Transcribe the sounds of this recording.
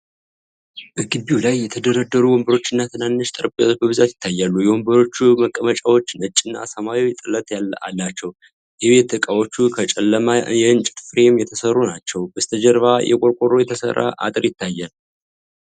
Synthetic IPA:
b̥əɡɨbiwlajːɛt̪ʰəd̪əɾəd̪ːəɾuwɔmbəɾo̞t͡ʃːɨnːat̪ʰɨnanːɨʃt̪ʼɨɾbjawot͡ʃbəβɨzat̪jɪ̥t̪ːajːalːujɛwombəɾo̞t͡ʃːuməkʼːəmət͡ʃʼawot͡ʃːɪnɨt͡ʃʼːɪnːa̰səmawijɛt̪ʼɨlət̪ʼjala̰lːat͡ʃːɛw | jɛβe̞t̪ːɨkʼawo̞t͡ʃːukʰət͡ʃʼɛlːəmajɛɨnt͡ʃʼɪt̪fɾemjɛt̪ʰəsərːunat͡ʃːɛwbəst̪ʰəd͡ʒəɾβajʔɛ̰kʼoɾkʼoɾo̞jɛt̪ʰəsə̰rːa̰ʔa̰t̪ʼɨɾjɪt̪ːajːɛn

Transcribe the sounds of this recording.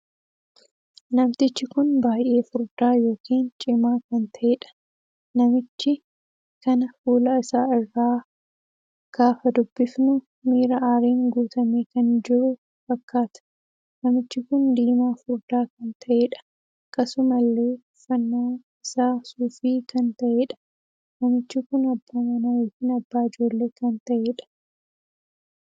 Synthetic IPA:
nɐmt̪ɪt͡ʃːɪkʊnbaːjʔe̞ːfʊɾd̪aːjo̞ːkiːnt͡ʃʼɪmaːkɐnt̪ʰɐʔeːᶑɐ̥ | nɐmɪt͡ʃːɪ | kɐnɐfuːlɐɪsaːɪrːaː | ɡ̥aːfɐd̪ʊbːɪfnʊ | miːɾɐʔaːɾeːŋɡuːt̪ɐmeːkɐnd͡ʒɪɾʊ | fɐkʰːaːt̪ɐ̥ | nɐmɪt͡ʃːɪkʊnd̪iːmaːfʊɾd̪aːkɐnt̪ʰɐʔeːᶑɐ̥ | ɐkːɐsʊmɐlːe̞ː | fɐnːaː | ɪsaːsuːfiːkɐnt̪ɐʔeːᶑɐ̥ | nɐmɪt͡ʃːɪkʊnɐbːaːmɐnaːjoːkiːnɐbːaːɪd͡ʒo̞ːlːe̞ːkɐnt̪ɐʔeːᶑɐ̥

